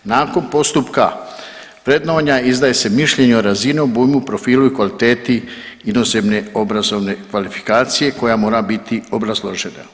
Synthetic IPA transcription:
naːko̞npo̞st̪upka̰ | ʋɾe̞d̪no̞ːɲaizd̪aːje̞se̞miʃʎe̞ɲuoɾazineobuːjmupɾo̞fiːluikʋalit̪e̞ːt̪iinose̞bne̞o̞bɾazo̞ʋne̞kʋalifi̥kaːt̪sije̞ko̞jamo̞ːɾabit̪io̞bɾazlˠo̞ʒe̞na̰

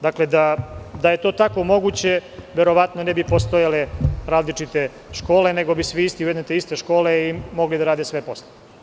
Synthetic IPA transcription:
d̪akle̞d̪ad̪ajet̪o̞ːt̪ako̞mo̞ɡuːt͡ɕe̞ʋe̞ɾo̞ʋat̪nonebipost̪ojaleɾaːzlit͡ʃit̪e̞ | ʃko̞ːle̞neɡo̞bisʋiist̪iujed̪net̪eist̪e̞ʃko̞ːle̞imo̞ɡlid̪aɾaːd̪esʋe̞po̞sle

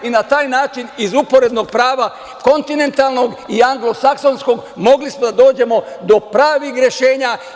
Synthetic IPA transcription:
inat̪aːjnaːt͡ʃinizupo̞ɾe̞d̪no̞ɡ̚pɾaːʋa | ko̞nt̪ine̞nt̪alno̞ɡiaŋɡlo̞sakso̞nsko̞ɡmo̞ɡlismod̪ad̪o̞ːd͡ʑe̞mo̞d̪o̞pɾaːʋixɾje̞ʃe̞ːɲa

